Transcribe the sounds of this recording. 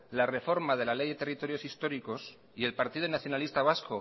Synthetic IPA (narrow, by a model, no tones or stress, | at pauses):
lare̞fo̞ɾmað̞e̞lale̞jðe̞t̪e̞rit̪o̞ɾjo̞sist̪o̞ɾiko̞s | ie̞lpaɾt̪iðonaθjo̞nalist̪aβ̞asko̞